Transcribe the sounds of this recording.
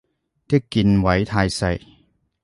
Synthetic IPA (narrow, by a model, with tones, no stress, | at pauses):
t̪ɪ˥kːiː˧nwɐ˨˥jt̪ʰaː˧jsɐ˧j